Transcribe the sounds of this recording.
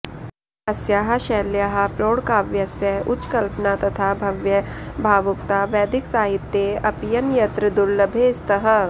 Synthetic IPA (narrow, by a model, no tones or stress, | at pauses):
ɐsjaɦɐ̆ʃɛːljaːɦɐpɾoːɽkaːʋjɐsjɐʊt͡ʃkɐlpnaːt̪ɐt̪ʰaːbʱɐʋjɐ | bʱaːʋʊk̚t̪aʋɛːd̪ɪksaːɦɪt̪jeɐpjɐnjɐt̪ɾəd̪ʊlːɐbʱeːst̪ɐɦɐ